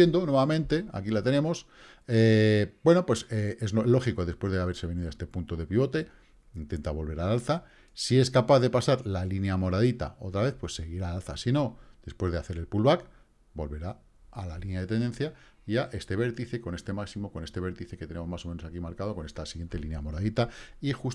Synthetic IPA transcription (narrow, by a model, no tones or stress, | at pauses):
jend̪onweβamẽ̞nt̪e̞a̰kilat̪e̞nẽ̞mo̞s | ebwe̞no̞pwe̞seeznolo̞xiko̞ðespwe̞zðeaβe̞ɾse̞βe̞niðoest̪epunt̪o̞ðe̞piβ̞o̞t̪e̞ | int̪̞nt̪aβo̞lβ̞e̞ɾalalθa | sie̞skapaððe̞pasaɾlalinjamo̞ɾaðit̪a̰o̞t̪ɾaβe̞θpwe̞sːe̞ɣiɾalalθasino̞d̪̥e̞spwe̞zðeaθe̞ɾe̞lpulβak | bo̞lβe̞ɾaː | lalinjaðe̞t̪e̞nd̪e̞nθja | iaʔe̞st̪e̞β̞e̞ɾt̪iθe̞ko̞ne̞st̪e̞maksimo̞kone̞st̪e̞βe̞ɾt̪iθe̞ke̞t̪enemo̞zmaso̞mẽno̞sakimaɾkaðo̞ko̞ne̞st̪asiɣje̞nt̪elinjamo̞ɾaðit̪aixus